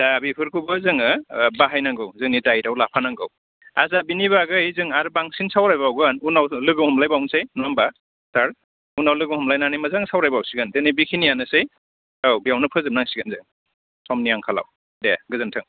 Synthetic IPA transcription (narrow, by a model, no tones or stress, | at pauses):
d̥abipʰɯɾkʰubɯzɯŋɯbaɦajnaŋɡɯwzɯŋnidajɾawlapʰanaŋɡɯ̰w | azabiniβaɡɯizɯŋaɾbaŋsinsawɾajbawɡɯnunawlɯɡɯhɔmlajbawnsejnamba | saɾ | unawlɯɡɯhɔmlajnanijmazaŋsawɾajbawsiɡɯndenibikʰinijanɯsej | awbijawnɯpʰɯzɯm̚naŋsiɡɯnzɯŋ | sɔmniaŋkʰala̰w | deɡɯzɯntʰɯŋ